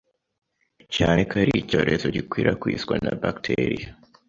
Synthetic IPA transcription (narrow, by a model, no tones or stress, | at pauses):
caːnekʰaɾico̞ːɾʔe̞zoɟikwiːɾakwiːsɡwanabaktʰeɾija